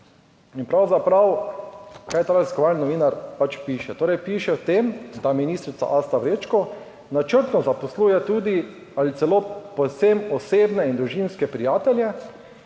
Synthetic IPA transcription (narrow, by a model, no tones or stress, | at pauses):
inpɾawzapɾaw | kajɛt̪ɾaziskɔʋalninɔʋiːnaɾpat͡ʃpiːʃɛt̪oːɾɛjpiːʃɛwt̪emd̪aminiːst̪ɾit̪sa̰ʔast̪aʋɾeːt͡ʃkɔ | nat͡ʃəɾt̪nɔzapɔsluːjɛt̪uːd̪i | alit̪sɛloːpɔsemɔseːbnɛind̪ɾuʒinskɛpɾijaːt̪ɛljɛ